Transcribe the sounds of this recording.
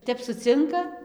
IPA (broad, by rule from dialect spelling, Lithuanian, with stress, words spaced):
ˈtʲɛp sʊˈt͡sʲɪŋkɐ